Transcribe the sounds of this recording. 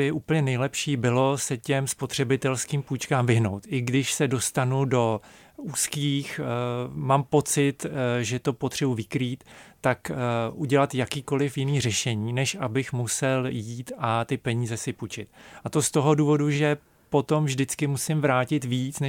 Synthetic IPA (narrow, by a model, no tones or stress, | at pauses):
jɛʔuːpəɲɛnɛjlɛpʃiːbɪlo̞sɛcɛmspo̞t̪r̝̥ɛbɪt̪ɛlskiːmpuːt͡ʃkaːmvɪɦno̞wt̪ʔɪɡdɪʃsɛdo̞st̪anudo̞ | uːskiːx | maːmpo̞t͡sɪt̪ʒɛt̪o̞pot̪r̥ɛbuvɪkɾiːt̪ː | akʔuɟɛlat̪jakiːko̞lɪfjɪniːrɛʃɛɲiːnɛʃʔabɪxmusɛljjiːt̪at̪ɪpɛɲiːzɛsɪput͡ʃɪt̪ʔat̪ost̪o̞ɦo̞duːvo̞duʒɛ | po̞t̪o̞mvʒdɪt͡skɪmusɪmvɾaːcɪt̪viːt͡snɛ